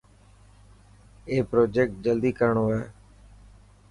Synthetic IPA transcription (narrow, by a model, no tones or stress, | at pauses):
eːpɾoːd͡ʒek̚ʈ̚d͡ʒəld̪iːkəɾəɳoːɛː